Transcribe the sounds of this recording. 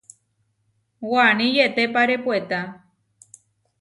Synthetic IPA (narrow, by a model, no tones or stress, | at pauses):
wanĩjet̪epaɾe̞pwet̪a